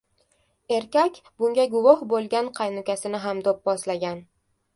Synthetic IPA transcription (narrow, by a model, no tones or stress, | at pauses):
e̞ɾkʲakʲbʊŋɡʲaɡʊvɒhbolˠɡʲanqʰɑjnʊkʲasɪnɪɦamd̪op̚bɒslaɡʲan